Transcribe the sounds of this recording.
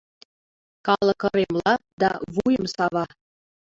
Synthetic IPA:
kɑlˠɤ̆kɤ̆ɾemlɑd̪ɑ̰βujəmsɑβɑ

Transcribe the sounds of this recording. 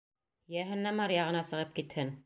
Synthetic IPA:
jæɦɘ̆nːæmɑɾjɑʁɤ̆nɑsɤ̆ʁɤp̚kit̪hɘn

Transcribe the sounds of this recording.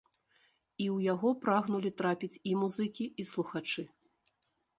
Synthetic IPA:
iwjaɣɔpɾaɣnulʲit̪ɾapʲit͡sʲimuzɨkʲiislˠuxat͡ʂɨ

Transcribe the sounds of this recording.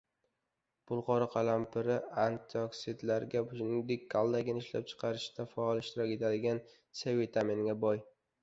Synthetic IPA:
b̥ʊlˠqɒɾɪqʰɑlampɪɾɪant̪ʰoksid̪laɾɡʲabʊnɪŋd̪ek̚ʲkʰalˠd̪aɡʲɪnɪɪʃla̰p̚t͡ʃʰɨ̥qʰɑɾɪʃd̪afaɒlˠɪʃt̪ɪɾɒkʲe̞t̪ʰad̪ɪɡʲan | sevet̪ʰamenɡʲabɒj

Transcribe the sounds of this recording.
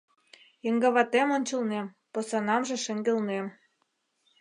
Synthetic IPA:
jə̆ŋɡɑβɑt̪emonʲt͡ɕə̆lnem | posɑnɑmʒĕʃə̆ŋɡĕlnem

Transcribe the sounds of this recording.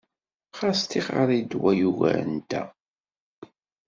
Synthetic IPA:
χast̪iχəɾˤid̪wæjuɣæ̰nd̪æ̰

